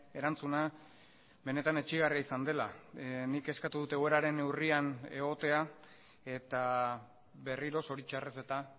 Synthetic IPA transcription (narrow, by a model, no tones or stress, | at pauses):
e̞ɾant͡suna | βe̞ne̞t̪ane̞t͡ʃiɣ̞ariaisand̪e̞lanike̞skat̪uðut̪eɣo̞e̞ɾaɾe̞ne̞wriane̞ɣ̞o̞t̪e̞a | e̞t̪a | βe̞riɾo̞so̞ɾit͡ʃarese̞t̪a